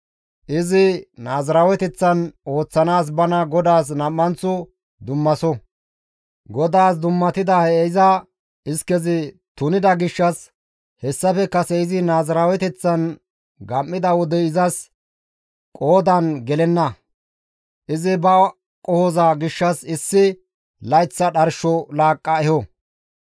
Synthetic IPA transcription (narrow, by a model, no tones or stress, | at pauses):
ʔɪzɪnaːzɐɾaːwɛt̪ɛt͡sːɐno̞ːt͡sːɐnaːs̬bɐnɐɡɔd̪aːs̬nɐmːɐnt͡sːʊ | d̪ʊmːɐsɔ | ɡɔd̪aːs̬d̪ʊmːɐt̪ɪd̪ɐhɛɛɪzɐ | ɪskɛzɪ | t̪ʊnɪd̪ɐɡɪʃːɐs | hɛsːɐfɛkɐsɛɪzɪnaːzɐɾaːwɛt̪ɛt͡sːɐn | ɡɐmːɪd̪ɐwɔd̪ɛɪzɐs | kʼoːd̪ɐnɡɛlɛnːɐ | ʔɪzɪbɐ | kʼɔhɔzɐɡɪʃːɐsɪsːɪ | lɐjt͡sːɐɗɐɾʃɔlaːkʼːɐɛhɔ